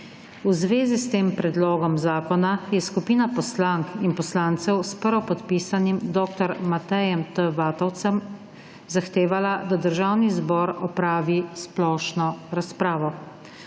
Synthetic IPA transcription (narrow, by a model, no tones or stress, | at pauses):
uzʋeːzist̪eːmpɾɛd̪loːɡɔmzaːkɔnajɛskupiːnapɔslaŋkinpɔslaːnt̪sɛwspəɾʋɔpɔt̪piːsanimd̪ɔːkt̪ɔɾmat̪ɛjɛmt̪əʋaːt̪ɔwt̪sɛm | zaxt̪eːʋalad̪ad̪əɾʒaːwnizbɔːɾɔpɾaːʋisplɔːʃnɔɾaspɾaːʋɔ